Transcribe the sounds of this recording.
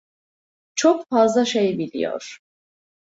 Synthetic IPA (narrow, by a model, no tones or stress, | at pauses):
t͡ʃʰokfazlˠaʃejbilʲḭjo̰ɾ̥